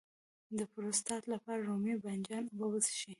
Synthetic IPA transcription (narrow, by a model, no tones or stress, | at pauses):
d̪əpɾost̪ɑt̪lapɑɾaɾumiband͡ʒɑnwəwəzʃi